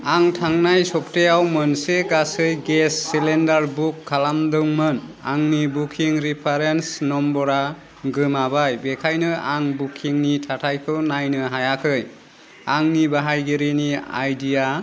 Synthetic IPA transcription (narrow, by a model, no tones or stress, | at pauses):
aŋtʰaŋnajsɔp̚tejawmɯnseɡasɯjɡesːilendaɾbukʰːalamdɯŋmɯn | a̰ŋnibukʰiŋɾipʰaɾensnɔmbɔɾa | ɡɯmabajbekʰajnɯaŋbukʰiŋnitʰatʰajpʰɯwnajnɯɦajakʰɯj | aŋnibaɦajɡiɾinia̰jdija